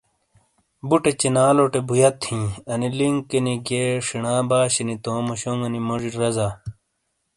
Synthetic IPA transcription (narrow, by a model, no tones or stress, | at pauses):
buʈet͡ɕenaːloʈebujɐt̪ʰĩːɐniliŋkːeniɡeːʂiɳaːbaːɕɐnit̪õːmoɕoŋɡɐnimoʐiʈɾɐza